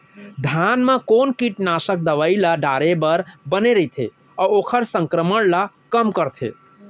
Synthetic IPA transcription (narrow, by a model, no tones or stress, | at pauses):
d̪ʱanmekonkiʈnasək̚d̪əʋəilaɖaɾebəɾbəneɾəit̪ʰḛ | ɔokʰəɾsəŋkɾəməɽla | kəmkəɾt̪ʰḛ